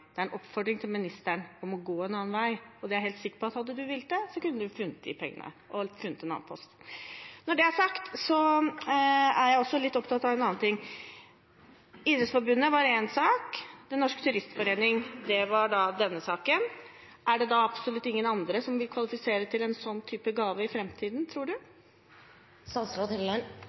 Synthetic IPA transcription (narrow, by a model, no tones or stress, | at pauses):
d̪̥ɛæɾɛnʔɔpːfɔɖ̪ɾɪŋt̪ʰɪlmɪnɪst̪æɳɔmɔɡoːɛnɑːnʋæɪɔd̪ɛæɾɦeːlt̪sɪkːə̥ɾpɔɑt̪hɑd̪ːəd̪ʉʋɪlːd̪ɛsɔkʉnːəd̪ʉfʉnːət̪̚d̪ɪ̰pʰɛŋːə̰nə̰ʔɔfʉnːət̪ɛnɑ̰ːnpʰɔst̪nɔɖɛæʂɑkt̪sɔ | æɾjæɪɔsːɔlɪt̪ːɔpt̪ʰɑt̪ːɑʋɛnɑːɑnt̪ʰɪŋː | iːd̪ɾəsfɔɾbʉnːəʋɑɾensɑːkd̪ɛnːɔʂkt̪ʰʉɾɪst̪fɔɾeːnɪŋd̪ɛʋɑɖɑd̪ɛnːəsɑːkən | ʔæɖɛd̪ɑɑpsɔlʉt̪ːɪŋːənɑnd̪ɾəsɔmʋɪlkʰʋɑlɪfɪseːɾət̪ʰɪlɛnsɔnːt̪ʰyːpəɡɑːʋəɪfɾɛmt̪ʰiːd̪nt̪ʰɾuːɖʉ | sɑnsɾɑd̪ɛllɑn